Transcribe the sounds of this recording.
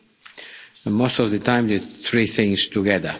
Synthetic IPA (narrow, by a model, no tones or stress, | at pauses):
most̪ɔvðət̪ãɪ̃md̪ɨθɹiθɪ̃ŋst̪uɡɛðə˞